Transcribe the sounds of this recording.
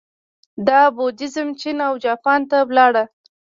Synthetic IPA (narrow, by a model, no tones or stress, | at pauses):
d̪ɑbod̪ɪzəmt͡ʃinawd͡ʒɑpɑnt̪awlɑɽa